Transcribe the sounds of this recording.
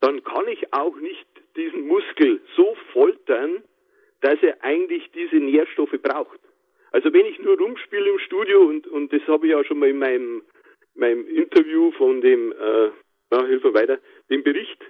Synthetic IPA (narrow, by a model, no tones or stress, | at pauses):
d̥ɑnkʰɑnɪça̰ʊxnɪçt | d̥iːzn̩mʊskl̩z̥oːfɔltɐn | d̥aseːɐʔaɪɡŋn̩tlɪçd̥iːzəneːɐʃtɔfəb̥ʁaʊxt | ʔalzovɛnɪçnuːɐʁʊmʃpiːləɪmʃtuːdjoʊntʊnt̚d̥ɛshɑːbɪçjaːʃoːnmɑːlɪnmaɪnəm | maɪnəmʔɪntʰɐvjuːfɔndeːmʔəː | jaːhɪlfənvaɪtɐ | d̥eːmbɪʁɪçt